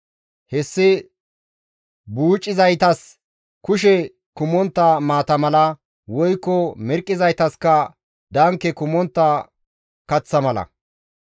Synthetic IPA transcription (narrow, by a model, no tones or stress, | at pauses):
hɛsːɪ | buːt͡ʃʼːɪzɐjt̪ɐs | kʊʃɛ | kʊmɔnt̪ːɐmaːt̪ɐmɐlɐ | wɔjkːɔmɛɾkʼːɪzɐjt̪ɐskɐ | d̪ɐŋkːɛkʊmɔnt̪ːɐ | kɐt͡sːɐmɐlɐ̰